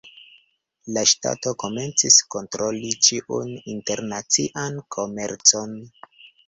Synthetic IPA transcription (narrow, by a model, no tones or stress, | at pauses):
laʃta̰to̞ko̞me̞nt͡sisko̞ntɾo̞lit͡ʃiʔṵninte̞ɾnat͡siʔankʰo̞me̞ɾt͡so̞n